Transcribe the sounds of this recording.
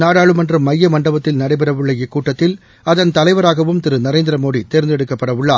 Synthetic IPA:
naːɽaːɭɯmɐndrɯmːɐjːɐmɐɳɖɐbɐt̪ːɪlnɐɽɐɪpɐɾɐʋɯɭːɐɪkːuːʈːɐt̪ːɪl | ɐðɐnt̪ɐlɐɪʋɐɾaːɣɐʋɯmt̪ɪɾɯnɐɾeːnd̪ɪɾɐmoːɽit̪eːɾnd̪ɛɽɯkːɐpːɐɽɐʋɯɭːaː

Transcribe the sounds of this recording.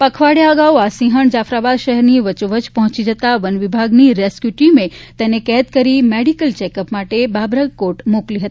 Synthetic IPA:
pəkʰʋaɽjaəɡawasĩɦəɳd͡ʒafɾabad̪ʃəɦɛɾniʋət͡ʃuʋət͡ʃpəɦɔ̃t͡ʃid͡ʒət̪aʋənʋibʱaɡniɾeskjuʈimẽt̪enekɛt̪kəɾimeɽikəlt͡ʃɛkəpmaʈebabɾəɡkoʈmokliɦət̪i̥

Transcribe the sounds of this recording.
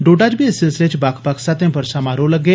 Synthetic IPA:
ɖoːʈaːd͡ʒbʱisɪlsɪlet͡ʃbakʰpaksat̪ẽpəɾsamaːɾoləɡe

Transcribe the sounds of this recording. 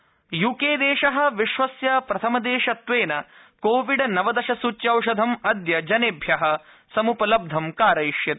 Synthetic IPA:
jukeːd̪eːʃɐɦɐ̆ʋiʃʋɐsjɐpɾɐt̪ʰɐmɐd̪eːʃɐt̪ʋeːnɐ | koːʋiɖɐnɐʋɐd̪ɐʃɐsut͡ʃːjɐwʂɐd̪ʱɐmɐd̪jɐd͡ʒɐneːbʱjɐɦɐ̆ | sɐmupɐlɐb̚d̪ʱɐmkaːɾɐjʃjɐt̪

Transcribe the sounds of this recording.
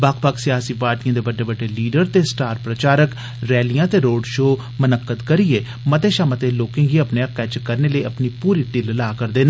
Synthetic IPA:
baːkʰpəːksɪjaːsiːpaːɾʈijãːd̪eːbəɖeːbəɖeːliːɖəɾt̪eːsʈaːɾpɾət͡ʃaːɾək | ɾɛːlijãːt̪eːɾoːɖʃoː | mənəkːəd̪kəɾieː | mət̪eːʃaːmə̃t̪eːloːkɪ̃ŋɡiːəpneːəkːɛːt͡ʃkəɾneːləiːəpniːpuːɾiːʈɪllaːkəɾd̪eːnã

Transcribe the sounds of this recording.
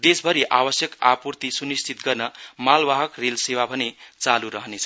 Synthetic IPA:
d̪esbʱʌɾiʔabʌsjʌkapurt̪isunist͡sʰit̪ɡʌrnʌmalbaɦʌkrelsewabʱʌnet͡saluɾʌɦʌnet͡sʰʌ

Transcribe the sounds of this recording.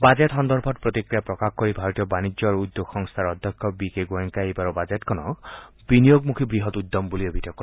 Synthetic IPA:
bad͡ʒet̪ɦɔnd̪ɔɾbʱɔʈpɾɔt̪ikɾijapɾɔkakkɔɾibʱaɾɔt̪ijɔbanid͡ʒjɔɾud̪joɡxɔŋst̪ʰaɾɔd̪ʱjɔkʰːɔbikeɡoeŋkaejbaɾɔbad͡ʒetkɔnɔ̰ | binijoɡmukʰibɾiɦɔt̪ud̪ːɔmbuliebʱit̪ɔjɔkː

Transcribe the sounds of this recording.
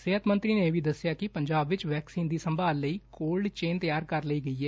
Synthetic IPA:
seɦət̪mənt̪ɾiːneʋiːd̪əsɪjaːkɪpəɲd͡ʒaːbʋɪt͡ʃʋɛːksiːnd̪iːsəmbʱaːlːəiːkoːlɖt͡ʃeːnt̪əjaːɾkəɾləiːɡəiːɦɛː

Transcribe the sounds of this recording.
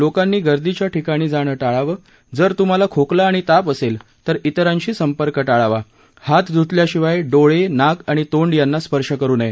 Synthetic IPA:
lokanːiːɡəɾd̪it͡ɕjaʈʰikaɽ̃iːd͡zaɽ̃əːʈaɭaʋəː | d͡zəɾt̪um̤alakʰoklaːɽ̃it̪apəsel | t̪əɾit̪əɾãɲt͡ɕiːsəmpəɾkəʈaɭaʋa | hat̪d͡z̪ʱut̪ljaɕiʋajɖoɭenakaɽ̃it̪oɳɖjanːaspəɾʂəkəɾuːnaje

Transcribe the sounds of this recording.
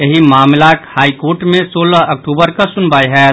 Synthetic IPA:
jəɦimaːmlakhaːikoːɾʈmẽsoːləɦɐk̚ʈuːbəɾkasʊnbaːiɦɛː

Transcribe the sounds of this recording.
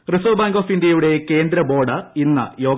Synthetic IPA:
risoːbaːŋɡoːfindjɐjuɽe̞ke̞ːnd̪ɾɐbo̞ːɽɐinːɐ̰jo̞ːɡ

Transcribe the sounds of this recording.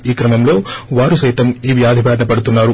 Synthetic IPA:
iːkɾɐmɐmlo̞ːʋaːɾusɐjt̪ɐmiːʋjaːd̪ʱibʱaːɾɐɳɐpɐɽut̪unːaːɾu

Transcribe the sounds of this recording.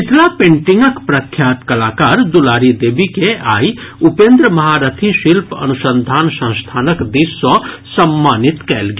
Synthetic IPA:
ɪt̪ʰlapẽːɳʈɪ̃ŋɡəkpɾɐkʰːjaːt̪kɐlaːkaːɾd̪ʊlaːɾid̪eːbikeʔa̰ːiʊpẽnd̪ɾəmɐɦaːɾət̪ʰiʃɪlpɐ̰nʊsə̃nd̪ʱaːnsə̃st̪ʰaːnəkd̪iːsɔsɐmːaːnɪt̪kɛ̰ːlɡaː

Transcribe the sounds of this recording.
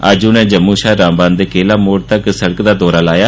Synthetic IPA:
a̰ːd͡ʒunẽːd͡ʒəmːuːʃaːɾãːmbãːnd̪eːkeːlaːmoːɽt̪əksəɽəkd̪aːd̪ɔːɾaːlaːjaː

